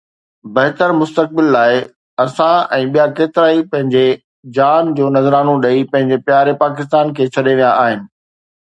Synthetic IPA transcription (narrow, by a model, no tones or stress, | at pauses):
bɐɦt̪əɾmʊst̪ək̚bɪlːaːɪ | ɐsãɛ̃ːɓijakeːt̪ɪɾaːipɐ̃ɦɪ̃ɲd͡ʑe | d͡ʑaːnd͡ʑoːnɐzɾaːnõɗɐipɐ̃ɦɪ̃ɲd͡ʑepjaːɾepaːkɪst̪aːnkʰeːt͡ɕʰɐɗeʋijãʔaːɦɪnɪ̆